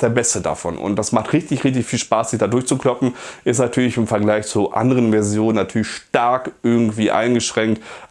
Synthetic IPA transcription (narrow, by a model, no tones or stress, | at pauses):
d̥ɛːɐbɛstəda̰fɔ̰nʊ̰nt̚d̥asmaχtʁɪçtɪçʁɪçtɪçfiːlʃpaːsz̥ɪçd̥aːdʊɐçt͡sukl̥ɔpm̩ʔɪstnatʰyːɐlɪçɪmfɛɐɡlaɪçt͡suʔa̰ndəʁənvɛɐzjoːnənatʰyːɐlɪçʃtaɐkʔɪɐɡŋ̩tv̥iːʔa̰ɪnɡəʃʁ̥ɛŋkt